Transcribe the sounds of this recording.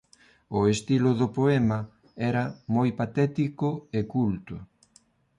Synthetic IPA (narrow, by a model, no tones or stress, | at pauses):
ʊest̪ilʊðʊpoɛmɐ | ɛɾɐmojpat̪ɛt̪ikʊekult̪ʊ